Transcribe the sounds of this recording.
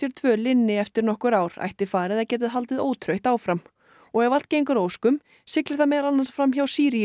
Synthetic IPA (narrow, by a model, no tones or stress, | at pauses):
ɛɾ̥t̪ʰvœːlɪnːɪɛft̪ɪɾnɔhkʏɾaːwɾ̥a̰jht̪ɪfaːɾɪðaðcɛːt̪ɪðɦalt̪ɪðoːwt̪ʰɾœjht̪aːwfɾam | ɔɣɛvalt̪ceːjŋkʏɾoːwskʏm | sɪklɪθamɛːðɾanansfɾamçawsiːɾi